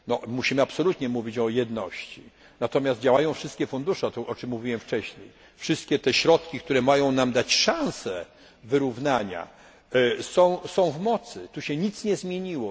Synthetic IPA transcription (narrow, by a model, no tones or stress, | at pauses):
nɔmuɕimɘapsɔlut̪ɲɛmuvʲit͡ɕɔjɛd̪nɔɕt͡ɕi | nat̪ɔmʲast̪̚d͡ʑawajɔ̃fʂɘst̪kʲɛfund̪uʂɛt̪ɔʔɔt͡ʂɘmːuvʲiwɛmft͡ʂɛɕɲej | fʂɘst̪̚kʲɛt̪ɛɕɾɔt̪kʲik̚t̪uɾɛmajɔ̃w̃namd̪at͡ɕʂãñsɛ | vɘɾuvnaɲa̰ | sɔ̃w̃sɔ̃w̃vmɔt̪sɘt̪uɕɛɲit̪sɲɛzmʲjeɲiwɔ